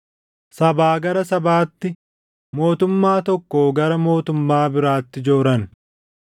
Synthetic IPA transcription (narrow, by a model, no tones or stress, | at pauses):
sɐbaːɡɐɾɐsɐbaːt̪ːɪ | mo̞ːt̪ʊmːaːt̪ɔkːoːɡɐɾɐmo̞ːt̪ʊmːaːbɪɾaːt̪ːɪd͡ʒo̞ːɾɐn